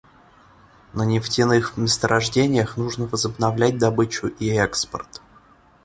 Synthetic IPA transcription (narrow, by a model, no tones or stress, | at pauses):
nənʲɪftʲɪnɨxvmʲɪst̪əɾʔɐʐdʲenʲɪjəxnuʐnəvəzəbnɐvlʲæt̚ʲd̪ɐbɨt͡ɕʊʔiɛkspə̰rt̪